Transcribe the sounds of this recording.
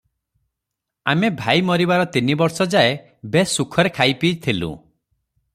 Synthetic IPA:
a̰mebʱajmɔɾibaɾɔt̪inibɔɾsɔd͡ʒae | besukʰɔɾekʰajpid͡ʒt̪ʰilṵ̃

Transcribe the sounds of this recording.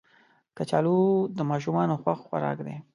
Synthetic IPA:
kat͡ʃɑlud̪əmɑʃ̬ʊmɑnoxwaxxwa̰ɾɑ̰kd̪e

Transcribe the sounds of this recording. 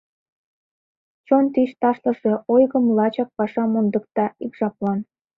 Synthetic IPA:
t͡ɕont̪iʃt̪ɑʃlə̆ʃeojɣəmlɑt͡ɕɑk̚pɑʃɑmond̪ək̚t̪ɑikʒɑplɑn

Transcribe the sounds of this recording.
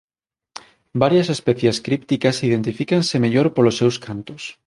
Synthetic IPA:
baɾjɐsespɛθjeskɾipt̪ikɐsið̞ent̪ifikɐnsemeʎoɾpolosːewskʰant̪os

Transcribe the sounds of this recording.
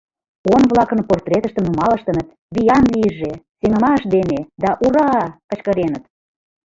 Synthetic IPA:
onβlɑkənport̪rʲet̪ə̆ʃt̪ə̆mnumɑlə̆ʃt̪ə̆nət̪ | βijɑnliəʒeseŋə̆mɑəʃd̪ened̪ɑʔuɾɑkə̆t͡ɕkə̆ɾenət̪

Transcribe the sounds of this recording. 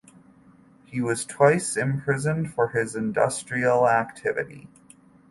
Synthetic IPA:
hiwʌz̥tʰw̥aɪsɨ̃mpʰɹ̥ɪzɨ̃nfə˞ɪzɨ̃ndʌstɹ̥il̩ˠæktʰɪvɨ̰ɾḭ

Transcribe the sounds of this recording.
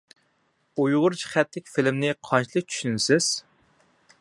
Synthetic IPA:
ujʁʊɾd͡ʒʰi̥χæt̪lɪkʲfɪlɪmnɪqʰɑnt͡ʃilˠɨk̚ʲt͡ʃʰy̥ʃynsɪz̥

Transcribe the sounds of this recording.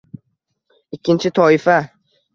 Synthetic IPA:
ɪkʲʰːɪnt͡ʃʰɪt̪ʰɒɪfa

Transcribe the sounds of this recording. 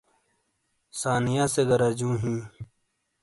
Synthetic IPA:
saːnijaːseɡɐɾad͡ʑũːɦĩː

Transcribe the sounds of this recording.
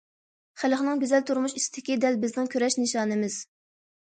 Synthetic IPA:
χælχnɨŋɡʲøzɛlt̪ʰuɾmuʃisd̪ɪkʲid̪ɛlbɪznɪŋkʲʰøɾɛʃnɨʃɑːnɨmɪz̥

